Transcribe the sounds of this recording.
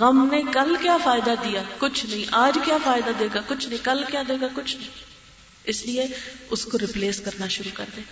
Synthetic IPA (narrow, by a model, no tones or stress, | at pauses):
ɣɐmnekɐlkjaːfaːɪd̪ad̪ijaːkʊt͡ʃʰnɐɦĩʔaːd͡ʒkjaːfaːɪd̪ad̪eːɡakʊt͡ʃʰnɐɦĩkɐlkjaːd̪eːɡakʊt͡ʃʰnɐɦĩ | ɪslieʊskoɾɪpleːskɐɾnaʃʊɾuːkɐɾd̪ẽː